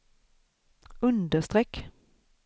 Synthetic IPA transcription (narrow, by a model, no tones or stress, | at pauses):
ɵnd̪əʂt̪ʁɛkː